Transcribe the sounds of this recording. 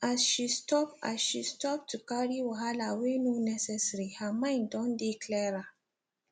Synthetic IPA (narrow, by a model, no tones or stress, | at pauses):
asʃistɔpa̰sʃistɔp̚tukaɾiwaɦalawenonɛsɛsɾihamãɪ̃ndɔ̃ndiklɛɾa